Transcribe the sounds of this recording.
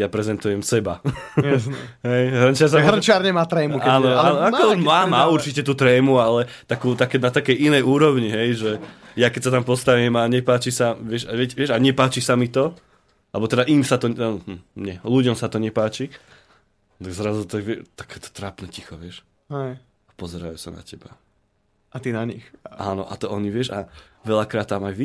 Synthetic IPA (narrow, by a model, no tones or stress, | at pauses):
japɾɛzɛnt̪ujɛmsɛbajasɦɛjɦr̩nt͡ʃɪaɾsaɦrnt͡ʃɪaɾɲɛmaːt̪ɾɛːmukaːnɔanɔakɔɔmaːmaːuɾt͡ʃicɛt̪uːt̪ɾɛːmualɛt̪akuːt̪akɛnat̪akɛjʔinɛjuːɾɔʋɲiɦɛjʒɛjakɛcsat̪ampɔst̪aʋimaɲɛpaːt͡ʃisaʋɪɛʃaʋɛcʋɪɛʒaɲɛpaːt͡ʃisamit̪ɔ | alɛbɔt̪ɛd̪aʔimsat̪ɔanm̩ɲɛluɟɔmsat̪ɔɲɛpaːt͡ʃi | t̪aɡzɾazut̪aɡʋɛt̪ḁkɛt̪ɔ̥t̪ɾaːpnɛcixɔʋɪɛʃ | ɛ | apɔzɛɾa̰jṵːsana̰cɛba̰ | ʔat̪inaɲixaːnɔ̰ʔa̰t̪ɔɔɲiʋɪɛʃaʋɛʎakɾaːt̪ːamajʋi